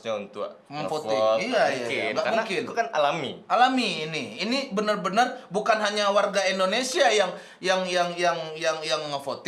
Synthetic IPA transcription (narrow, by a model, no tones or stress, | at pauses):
ɲaunt̪ua̰məfot̪iiajaɡaʔkmuŋkɪnkanalamḭʔalamiːniinibənərbənərbukanɦaɲawarɡaindonesiajaŋ | jaŋjaŋjaŋjaŋjaŋməfot̪i